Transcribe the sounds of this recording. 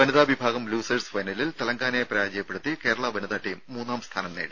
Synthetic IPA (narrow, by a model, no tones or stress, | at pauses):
ʋɐnɐðaːbʱibʱaːɡɐmluːsɐrsfɐjnɐlilt̪ɐlɐŋɡaːnɐjpɾɐjaːd͡ʑɐjɐpːeɽut̪ːike̞ːɾɐɭɐʋɐnɐðaːʈːijumːuːnːaːmst̪ʰaːnɐmneːɽɨ